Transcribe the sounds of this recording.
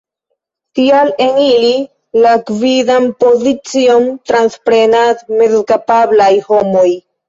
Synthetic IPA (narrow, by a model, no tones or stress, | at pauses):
t̪ialenili | lakvidampo̞zit͡sio̞mt̪ɾanspɾenatmedkapablajho̞moj